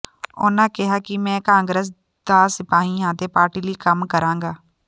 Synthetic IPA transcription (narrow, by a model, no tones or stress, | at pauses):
o̰ːnakɛɦakimɛ̃ːkãːŋɡɾəs̬ | d̪aːsɪpaːɦĩɦãːt̪epaːɾʈilikəmkəɾãːŋɡaː